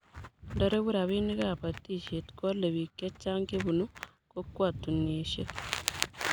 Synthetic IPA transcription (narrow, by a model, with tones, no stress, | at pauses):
ndɐ˨ɾe˦βu˦ɾa˨βi˦ni˦kaː˦˨pa˨t̪ːi˦˨ʃe˨t̪ko˦lːe˨βi˨kːe˦t͡ʃːa˦ŋke˦bu˨nu˦ | ko˦kːwa˨t̪ːu˨neʃḛ˦